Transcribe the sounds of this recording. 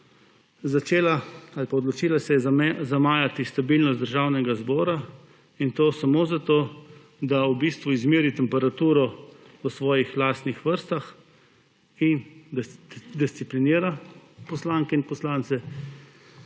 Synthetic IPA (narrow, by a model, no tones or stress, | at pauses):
zat͡ʃeːlaalpaɔd̪lɔt͡ʃiːlasɛjɛzamaːjat̪ist̪abilnɔst̪d̪əɾʒaːwnɛɡazbɔːɾa | int̪oːsamozat̪oː | d̪awbist̪ʋuizmiːɾit̪ɛmpɛɾat̪uːɾɔ | əsʋɔːjixlaːst̪nixʋəɾst̪ax | in | d̪ist̪sipliniːɾapɔslaːŋkɛinpɔslaːnt̪sɛ